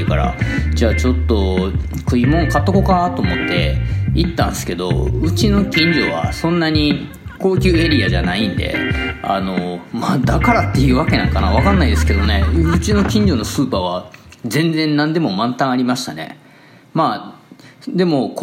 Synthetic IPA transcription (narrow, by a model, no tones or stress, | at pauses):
ɯkaɾa̰d͡ʑaːt͡ɕo̞t̪ːo̞kɯ̟imõ̞ŋkat̪ːoko̞kanat̪oːmo̞t̪ːe̞it̪ːãnd̪esɨ̥ke̞d̪o̞̰ɯ̟t͡ɕino̞kʲĩɲd͡ʑo̞̰βa̰sõ̞nːaɲ̟i | ko̞ːkʲɨːe̞ɾʲiaʑanaĩnd̪e̞̰a̰no̞maːd̪akaɾat̪ːe̞jɯ̟ːβake̞nã̰ŋkanaβakãnːaid̪esɨ̥ke̞d̪o̞ne̞ɯ̟t͡ɕino̞kʲĩɲ̟d͡ʑo̞no̞sɨːpaβazẽ̞nd͡zẽ̞nːãnd̪e̞mo̞mãnt̪ãɰ̃aɾʲimaɕi̥t̪ane̞̰ | maː | d̪e̞mo̞k